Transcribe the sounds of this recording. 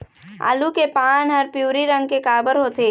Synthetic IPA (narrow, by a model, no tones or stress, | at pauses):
a̰ːlukepaːnɦəɾpjuːɾiɾə̃ŋɡ̚kekaːbəɾɦoːt̪e